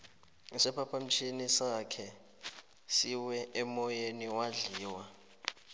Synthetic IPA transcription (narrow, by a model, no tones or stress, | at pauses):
sɛpʰapʰam̩t͡ʃʰinisakʰɛ | siwɛʔɛmɔjeniwaɮiːwa